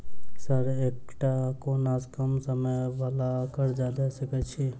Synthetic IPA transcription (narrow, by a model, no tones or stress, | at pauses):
səɾekʈakonaːskəmsəməjʋalakəɾd͡ʒad̪asəkət͡ʃʰi